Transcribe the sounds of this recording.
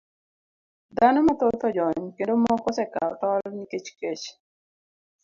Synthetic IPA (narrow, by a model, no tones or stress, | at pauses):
d̪anɔmat̪ɔt̪ɔd͡ʒɔɲkendomɔkɔsɛka̰ltɔlniket͡ʃket͡ʃ